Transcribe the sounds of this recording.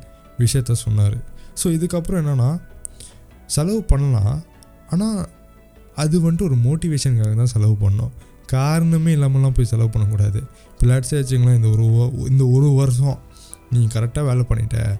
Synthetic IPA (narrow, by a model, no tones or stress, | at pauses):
ʋɪʂɐjɐt̪ːãːsɔnːaːɾɯ̰soːɪðɯkːɐpːɾɔ̃ɛnːɐnːaː | sɛlɐʋɯpɐɳːɐlã̰ː | aːnaː | ɐðɯʋɐɳɖɯɔɾɯmoːʈɪʋeːʂɐnkaːɣɐt̪ãːsɛlɐʋɯpɐɳːɐːʊ̰̃ | kaːɾɐɳɐmeːɪlːaːmɛlːãːpoːjisɛlɐʋpɐɳːɐkuːɽaːðɯ | plaːʈsaːʋɐt͡ʃːɯŋɡɐlãːɪnd̪ɐɔɾɯɪ̰nd̪ɐɔɾɯʋɐɾs̬õ | niːŋɡɐkɐɾɛk̚ʈaːʋeːlɛpɐɳːɪ̰ʈːɐ̰